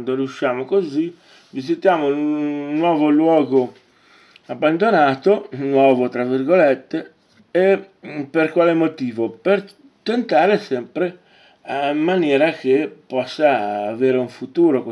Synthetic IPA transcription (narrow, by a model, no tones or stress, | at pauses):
nd̪oɾiuʃːaːmokozi | vizit̪jaːmouːwɔːvolwɔːɡo | abːand̪onaːt̪onwɔːvot̪ɾavːirɡolet̪ːeː | perkwaːlemot̪iːvoper | t̪ent̪aːɾesɛmpɾe | amːanjɛːɾak̟epːɔsːaːveːɾeuɱfut̪uːɾok